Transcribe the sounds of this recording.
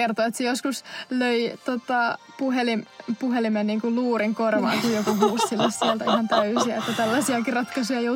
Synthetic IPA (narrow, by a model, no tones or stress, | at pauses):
ert̪oet̪sejoskusløit̪ot̪ɑ | puhelimpuhelimenniːŋkulluːriŋkorʋɑ̰ːkijjokuɦuːssilːɑssiellt̪æihɑnt̪æysiæet̪ːæt̪ælːæsiɑkirɑt̪kɑsujɑjo